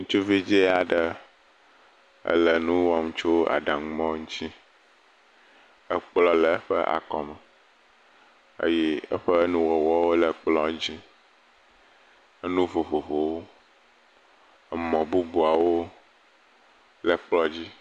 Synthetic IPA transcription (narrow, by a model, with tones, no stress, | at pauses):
ŋũ˦t͡ʃu˦vi˦d͡ʒe˦a˨ɖə˨ | ə̰˦lə˨nũ˦wɔ˦ŋũ˦t͡ʃo˦a̰˨ɖã˨˦mɔ̃˦ŋũ˦t͡ɕi˦ | ə˦k͡plɔ˦lə˨˦ɸə̰˦ʔa̰˨kɔ˨mɛ˨ | ə̰˦jɛ˦ə̰˦ɸə˦nũ˦wɔ˨wɔ˦wo˦lə˨k͡plɔ˦d͡ʑi˦ | ə˦nũ˦vo˨vo˨vo˨wo˦ | ə˦mɔ̃˨bu˦bu˨a˨wo˦ | lə˨k͡plɔ˦d͡ʑi˦